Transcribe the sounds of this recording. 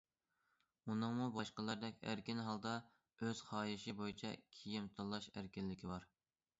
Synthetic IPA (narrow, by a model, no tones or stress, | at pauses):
unɨŋmubɑʃqəlˠɨɾd̪ɛkʲæ̰ɾkʲinɦɑlˠd̪ɑ | øz̥χɑːjɪʃɪbojit͡ʃʰɛ̰kʲʰijimt̪ʰɑlˠːɑʃæɾkʲɪlːɪkʲʰibɑɾ